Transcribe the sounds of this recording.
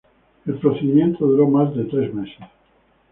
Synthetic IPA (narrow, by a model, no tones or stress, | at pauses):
elpɾoθeðimjent̪oðuɾomazðet̪ɾe̞zmeses